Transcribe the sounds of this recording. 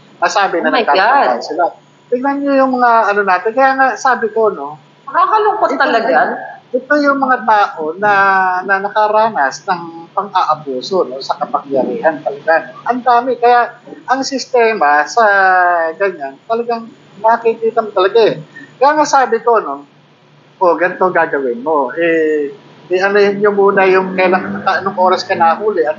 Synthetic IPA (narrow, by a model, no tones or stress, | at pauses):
nɐsaːbɪnɐnk̪aaansɪla | t̪ɪɡnɐnɲojʊŋmɐŋaʔɐno̞naːt̪ɪnkɐjaːŋasaːbɪko̞no̞ | mɐkakɐlʊŋkot̪ːɐlɐɡanʔɛt̪o̞jʊŋmɐŋat̪aːʔo̞nɐnɐnɐkaɾaːnɐsnɐŋpɐŋʔaʔɐpuːso̞no̞sɐkɐpɐŋjɐɾiːʔɐnt̪ɐlɐɡanoʔɐnd̪aːmɪkɐjaʔʔɐŋsɪst̪ɛːmasɐɡɐɲant̪ɐlɐɡaŋ | nɐkɐkiikiːt̪ɐmot̪ɐlɐɡaɛkɐjaŋasaːbɪko̞no̞ | ʔoɡɐnɪt̪o̞ɡaɡɐwɪnmo̞ʔɛ | ɛʔɐnʊhɪnɲomuːnɐjʊŋkɐjlaŋɐkɐʔɐnoŋʔo̞ːɾɐskɐnaːɦuːlɛʔɐn